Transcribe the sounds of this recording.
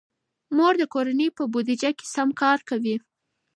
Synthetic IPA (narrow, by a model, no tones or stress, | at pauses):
moɾd̪əkoɾanəjpəbod̪id͡ʒake̥samkɑɾkawi